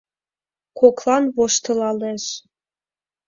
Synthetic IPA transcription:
koklˠɑnβoʃt̪ɤ̆lɑleʃ

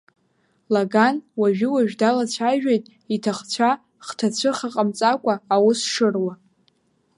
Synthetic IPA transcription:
laɡanwaʒᶣɪwaʒᶣdalat͡ɕʷʰaʒᶣejtʼ | itʰaχt͡ɕʷʰa | χtʰat͡ɕʷʰɨχaqʼamt͡sʼakʷʼaːwʊsʂɨrwa

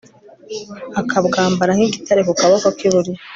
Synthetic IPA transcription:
akʰabɡaːmbaɾaŋiɡitʰaɾekukaβokokiβuɾija

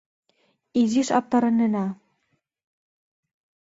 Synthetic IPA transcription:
iziʃɑ̰p̚t̪ɑɾɤ̆nːənɑ

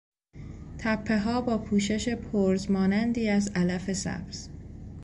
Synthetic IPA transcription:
t̪ʰæpʰːe̞ɦɒːbɒːpʰuːʃe̞ʃe̞pʰoɾzmɒːnænd̪iːæzælæfe̞sæ̰bz̥

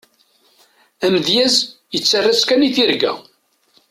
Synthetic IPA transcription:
æməðjæzjət͡sːarːaskæniθiɾɡæ̰

